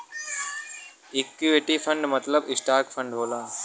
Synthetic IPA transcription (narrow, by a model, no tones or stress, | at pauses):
ɪkːjuʋɪʈipʰə̃ɳɖmɐt̪ləbɪsʈaːɾkfʰə̃ɳɖɦoːlaː